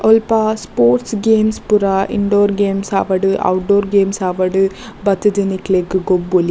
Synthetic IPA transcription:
ɔlpaspoːɾʈsɡeːmspuɾaʔḭɳɖoːɾɡeːmsa̰ːʋɐɽɯʔɐ̰wʊʈ̚ɖoːɾɡeːmsaːʋɐɽɯ | bɐt̪ːid͡ʒeniklekːɯɡobːoli

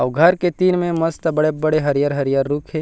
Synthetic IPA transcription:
ɐʋɡʱɐɾket̪iːnmẽmɐst̪bɐɽebɐɽeɦɐɾijaːɾɦɐɾijaːɾːuːkʰɦeː

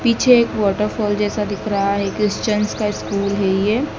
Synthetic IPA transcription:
piːt͡ʃʰeeːkʋɔːʈəɾfɔːld͡ʒɛːsad̪ɪkʰɾɐɦaɦɛkɾɪst͡ʃənskaɪskuːlɦɛjeː

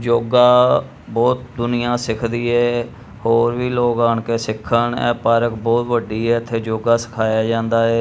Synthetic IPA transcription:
d͡ʒoːɡaː | bɔːt̪̚d̪ʊnɪjãːsɪkʰd̪iːɛː | hoːɾʋiːloːkaːɳkeːsɪkʰːəɳɛ̰̃ːpaːɾəkbɔːt̪ʋəɖiːɛːət̪ʰːeːd͡ʒoːɡaːsɪ̥kʰaːjaːd͡ʒãːnd̪aːɛː

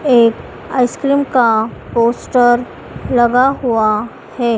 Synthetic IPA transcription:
eːk | a̰ːɪskɾiːmkapoːsʈəɾ | lɐɡaɦua | hɛː

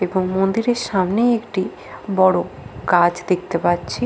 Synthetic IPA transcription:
eboŋmond̪iɾeɾʃamnejekʈi | bɔɽokad͡ʑd̪ek̚ʰt̪epatːt͡ɕʰi

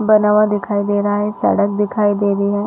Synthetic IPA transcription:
bɐnaːʋad̪ɪkʰaːid̪eːɾɐɦaɦɛsɐ̰ɽək̚d̪ɪkʰaːid̪eːɾəiɦɛː

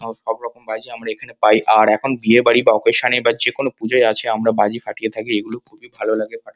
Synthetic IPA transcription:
ʃɔbɾɔkombad͡ʑiamɾaekʰanepajʔaɾɛkʰonbiebaɽibaɔkeʃanebad͡ʑekonopud͡ʑaeat͡ɕʰeamɾabad͡ʑifaʈijet̪ʰakieɡulokʰubibʱalolaɡefaʈ

